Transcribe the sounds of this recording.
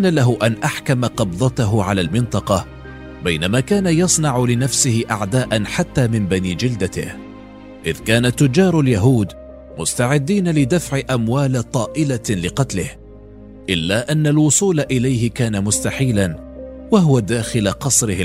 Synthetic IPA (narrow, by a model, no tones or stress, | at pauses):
analaɦʊʔanʔaħkamaqɑbðˤɑt̪aɦʊʕalaːlmɪnt̪ˤɑqɑ | bajnamaːkaːnajɑsˤnɑʕʊlɪnafsɪhɪʔaʕd̪aːʔanħat̪ːaːmɪmbaniːd͡ʒɪld̪at̪ɪ̰h | ʔɪðkaːnat̪ːʊd͡ʒːɑːɾˤaljaɦuːd̪ | mʊst̪aʕɪd̪ːiːnalɪd̪afʕɪʔamwaːlat̪ˤɑːʔɪlalɪqɑt̪lɪh | ʔɪlːaːʔanːalwʊsˤuːlaʔɪlajɦɪkaːnamʊst̪aħiːlan | waɦʊwad̪aːxɪlaqɑsˤɾɪh